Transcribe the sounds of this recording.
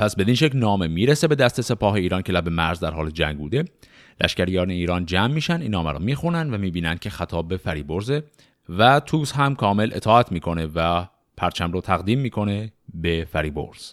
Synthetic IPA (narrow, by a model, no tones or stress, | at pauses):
pʰæsbe̞d̪inʃecnɒːme̞miːɾese̞be̞d̪æst̪e̞se̞pʰɒːɦe̞iːɾɒːncʰe̞læbe̞mæɾzd̪æɾhɒːled͡ʒæ̰ŋɡbuːd̪e̞ | lʔæ̰ʃcæɾjɒːneiːɾɒːnd͡ʒæːmːiːʃænd̪iːnːɒːmæɾɔ̰ːmiːxunænd̪væmiːbiːnænd̪kʲcʰe̞xæt̪ʰɒːbbe̞fæɾiːbo̞ɾze | væt̪ʰuːshæmkʰɒːme̞lʔe̞t̪ʰɒːæt̪ʰmiːkʰo̞ne̞væ | pʰæɾt͡ʃʰæmɾoːt̪ʰæɣd̪iːmːiːkʰo̞ne̞befæɾiːbo̞̰ɾz̥